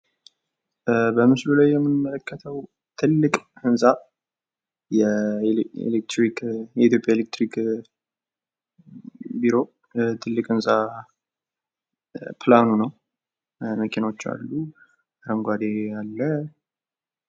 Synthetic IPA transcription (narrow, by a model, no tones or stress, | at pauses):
bəmɨslulajːɛmːɨnmələkʰːət̪ʰəw | t̪ʰɨlːɨkʼhɨnsʼa | jɛ | ḛlek̚t̪ɾikjɛit̪jo̞pʼjaelek̚t̪ɾik | biɾo̞ | t̪ʰɨlːɨkʼɨnsʼa | pʰlanunəw | məkʰinaot͡ʃːa̰lːu | ɾəŋɡʷad̪ejalːə